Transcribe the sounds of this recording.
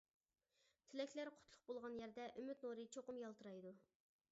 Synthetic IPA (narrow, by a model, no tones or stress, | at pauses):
t̪ʰɪlɛkʲlæɾqʰʊ̥t̪ʰlˠʊq̚bolˠʁɑnjæɾd̪ɛʔømyt̪noɾɨt͡ʃʰoqʊmjɑlˠt̪ɨɾɑjd̪u